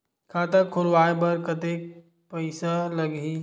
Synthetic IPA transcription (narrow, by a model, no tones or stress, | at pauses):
kʰaːt̪əkʰːʊlʋaːebɐɾkɐt̪eːk̚ | pəɪsalɐɡiː